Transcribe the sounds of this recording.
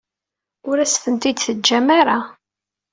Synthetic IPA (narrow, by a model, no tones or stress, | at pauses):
ʊɾæsfənt̪id̪θəd͡ʒːæmaɾa